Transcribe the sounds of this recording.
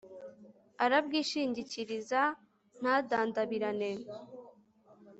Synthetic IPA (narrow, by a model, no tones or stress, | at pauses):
aɾabɡiːʃiːɲɟiciɾiza | n̥haːdaːndaβiɾane̞